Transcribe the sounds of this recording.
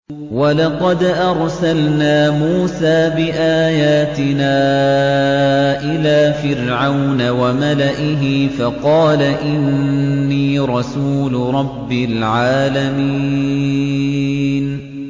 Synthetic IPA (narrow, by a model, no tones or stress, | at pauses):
walɑqɑd̪ʔɑɾˤsalnaːmuːsaːbɪʔaːjaːt̪ɪnaː | ʔɪlaːfɪɾʕawnawamalaʔɪɦɪfɑqɑːlaʔɪnːiːɾˤɑsuːlʊɾˤɑbːɪlʕaːlamiː | n